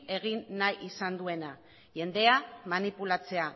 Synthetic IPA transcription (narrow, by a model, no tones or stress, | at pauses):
e̞ɣ̞inːajʔisand̪ue̞na | ʝe̞nd̪e̞amanipulat͡se̞a